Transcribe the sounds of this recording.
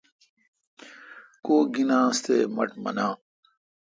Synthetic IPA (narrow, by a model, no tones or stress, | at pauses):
koːɡinãːst̪eːmɐʈmɐ̰nãː